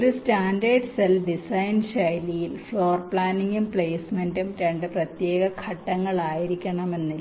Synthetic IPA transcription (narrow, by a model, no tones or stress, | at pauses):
ɾustaːnɖɐrɖsɐlɖisɐjnɕɐjlijilfɭo̞ːrpɭaːniŋɡumpɭeːsmendumɾeɳɖɨprɐt̪je̞ːɣɐkʰɐʈːɐŋːɐɭaːjiɾikʲːɐɳɐme̞nːil